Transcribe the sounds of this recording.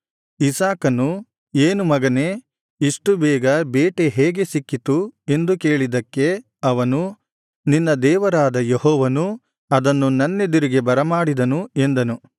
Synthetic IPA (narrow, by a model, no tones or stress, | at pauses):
isaːkɐnu | eːnumɐɡɐneː | iʂʈubɛːɡɐbeːʈe̞ɦeːɡe̞sikːit̪ue̞nd̪uke̞ːɭid̪ɐkːe̞ | ɐʋɐnu | ninːɐd̪ɛːʋɐɾaːd̪ɐjehɔːʋɐnu | ɐd̪ɐnːunɐnːe̞d̪uɾiɡe̞bɐɾɐmaːɽid̪ɐnue̞nd̪ɐnu